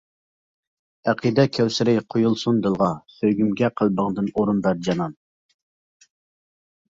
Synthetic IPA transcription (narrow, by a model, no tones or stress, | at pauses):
æqʰid̪ɛkʲʰæwsɪɾɪjqʰojulˠsund̪ɨlˠʁɑsøɡʲymɡʲɛqʰəlˠbəŋd̪ɨnoɾunbæɾd͡ʒɑnɑn